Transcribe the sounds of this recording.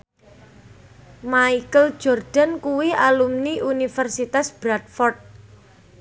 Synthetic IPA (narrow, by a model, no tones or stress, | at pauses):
maikəl̥d͡ʒ̥ɔrɖ̥a̤nkuwialumniʔunifɛrsit̪asb̥ɾad̪̚fɔrt̪̚